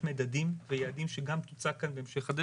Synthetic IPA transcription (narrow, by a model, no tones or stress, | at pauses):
medad̪imvejaːd̪imʃeɡampt̪ut͡sakanbeemʃeχad̪a